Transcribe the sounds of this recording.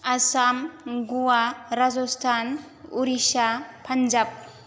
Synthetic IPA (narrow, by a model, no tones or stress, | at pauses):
asamɡuwaɾad͡ʒɔstʰan | uɾisapʰand͡ʒap̚